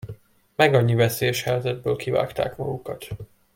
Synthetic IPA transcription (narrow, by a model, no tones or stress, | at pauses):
mɛɡɒɲːivɛseːjɛʃhɛjzɛd̪̚bøːlkiva̰ːkt̪a̰ːkmɒɡukɒt̪